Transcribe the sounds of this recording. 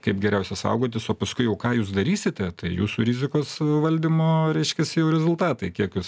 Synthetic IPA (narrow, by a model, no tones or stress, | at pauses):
kɐɪpɡʲɛɾʲɛʊsʲɛsɐ̰ʊɡoːt̪̬ʲɪsoːpɐskʊɪjɛʊkɑːjuːsd̪ɐɾʲiːsʲɪt̪ʲɛt̪ɐɪjuːsuɾʲɪzʲɪkoːsʋɐlʲd̪ʲɪmoːɾʲɛɪʃʲkʲɛsʲɪjɛʊɾʲɛzʊlˠt̪ɑːt̪ɐɪkʲiɛkjuːs